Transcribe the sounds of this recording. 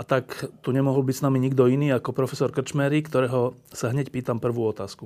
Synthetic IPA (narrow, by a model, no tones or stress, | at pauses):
at̪akt̪uɲɛmɔɦɔlbicsnamiɲiɡd̪ɔiniːakɔpɾɔfɛsɔɾkr̩t͡ʃmɛɾikt̪ɔɾɛːɦɔ | saɦɲɛcpiːt̪ampr̩ʋuːɔt̪aːsku